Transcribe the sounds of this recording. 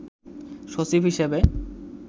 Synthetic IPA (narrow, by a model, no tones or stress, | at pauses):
ʃot͡ɕibʱɦiʃebe